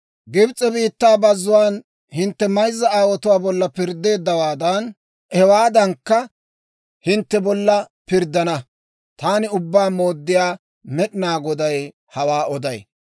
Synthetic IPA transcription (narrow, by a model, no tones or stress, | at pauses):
ɡɪbt͡sʼɛbiːt̪ːaːbɐzːʊwaːn | hɪnt̪ːɛmɐjzːɐaːwɔt̪ʊwaːbɔlːɐpɪɾd̪e̞ːd̪ːɐwaːd̪ɐn | ɛwaːd̪ɐŋkːɐ | hɪnt̪ːɛbɔlːɐpɪɾd̪ːɐnɐ | t̪aːnɪʊbːaːmo̞ːd̪ːɪjaː | mɛɗɪnaːɡɔd̪ɐj | hɐwaːʔɔd̪ɐj